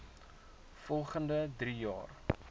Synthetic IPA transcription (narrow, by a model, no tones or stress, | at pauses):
fɔlˠχəndədrijɑ̰ːr